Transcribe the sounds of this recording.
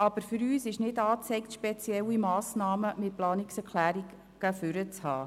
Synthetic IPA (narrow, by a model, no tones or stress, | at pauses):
ɑb̥əɾfʏɾyːsɪʃnɪdɑːt͡sɛɪktʃpɛt͡sjɛlimɑːsnɑːməmɪt̚plɑːnɪksɛɾkʰlæːɾiɡ | ɡ̥əfʏɾət͡shɑː